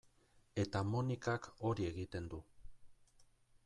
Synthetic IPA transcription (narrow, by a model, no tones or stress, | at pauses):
e̞t̪amonikako̞ɾie̞ɣit̪e̞nd̪u